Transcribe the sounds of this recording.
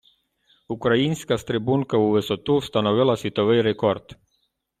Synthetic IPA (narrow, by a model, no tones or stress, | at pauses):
ukɾainʲsʲkast̪ɾebunkauvesot̪ust̪anovelasit̪ovejrekort̪